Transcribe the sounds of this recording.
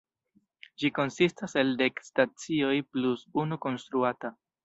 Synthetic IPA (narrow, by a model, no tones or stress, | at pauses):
d͡ʒiko̞nsistaselde̞kstat͡sio̞jplusunuko̞nstɾuata